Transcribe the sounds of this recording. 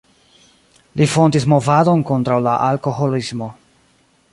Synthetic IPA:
lifo̞ndismo̞vado̞nko̞ntɾawlaʔalko̞ɦo̞lismo̞

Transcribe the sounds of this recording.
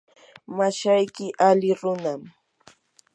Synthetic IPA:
maʃajkɪʔalɪɾʊnam

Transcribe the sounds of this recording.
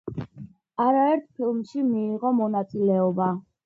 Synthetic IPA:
aɾaɛɾt̪ʰpʰilˠmʃimiːʁɔmɔnat̪sʼilɛɔba

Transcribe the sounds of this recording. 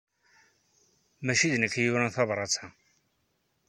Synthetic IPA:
mæʃiðnəkjuɾænθɑvɾˤɑt͡sːa

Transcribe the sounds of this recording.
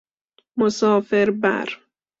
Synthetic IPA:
mosɒːfeɾbæ̰ɾ

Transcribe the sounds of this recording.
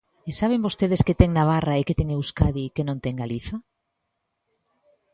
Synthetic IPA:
esaβ̞embost̪eðesket̪ɛŋnaβ̞araeket̪eŋewskaðikenõnt̪ɛŋɡaliθa

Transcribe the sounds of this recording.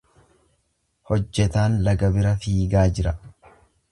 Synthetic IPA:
hɔd͡ʒːɛt̪aːnlɐɡɐbɪɾɐfiːɡaːd͡ʒɪɾɐ

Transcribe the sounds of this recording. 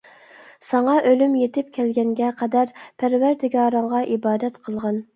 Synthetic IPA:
sɑŋɑʔølymjet̪ʰɪp̚kʲʰælɡʲɛŋɡʲɛqʰæd̪æɾpʰæɾvæɾd̪ɪɡɑːɾəɴʁɑʔibɑːd̪ɛt̪qʰəlˠʁɑn

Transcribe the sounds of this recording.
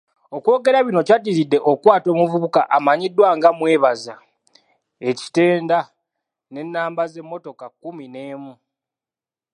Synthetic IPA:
o̞kwo̞ːɡe̞ɾaβino̞catiɾidːe̞ʔo̞kwaːto̞ːmuvuβukaʔamaɲidːwaŋɡamwe̞ːβaza | e̞ci̥te̞ːnda | ne̞nːaːmbaze̞mːo̞to̞kakːumine̞ːmu

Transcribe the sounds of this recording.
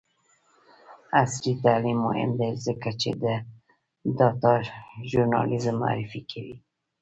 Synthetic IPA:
aslit̪alimːʊhɪ̰md̪ezəkat͡ʃḛd̪ə | d̪ɑt̪ɑʒuɾnɑ̰lizəmːʊ̰a̰ɾɪfikʰawḭ

